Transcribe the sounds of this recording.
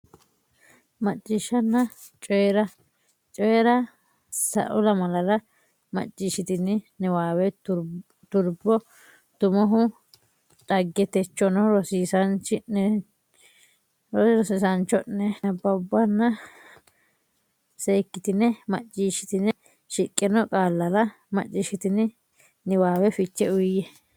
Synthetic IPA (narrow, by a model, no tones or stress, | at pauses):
mɐt͡ʃʼːiʃɐnːɐ | t͡ʃʼɔɛɾɐ | t͡ʃʼɔjɛɾɐ | sɐ̰ʔɔlɐmɐlɐɾɐ | mɐ̰t͡ʃʼːiːʃɪt̪ɪnɪnɛwaːwɛ | t̪ʊɾbɔ | t̪ʊmɔɦʊ | tʼɐɡːɛt̪ɛt͡ʃːɔnɔɾɔsisɐnt͡ʃɪnːɛ | ɾɔɾɔsɪsɐnt͡ʃːɔʔːɛɐbːɐʊbːɐnːɐ | seːkːɪt̪ɪnːɛmɐt͡ʃʼːiːʃɪ̥t̪ɪnɛ | ʃɪkʼːɛnɔkʼaːlːɐlɐ | mɐ̰t͡ʃʼːɪʃɪt̪ɪnɪ | nɪwaːwɛfɪt͡ʃːɛʊjɛ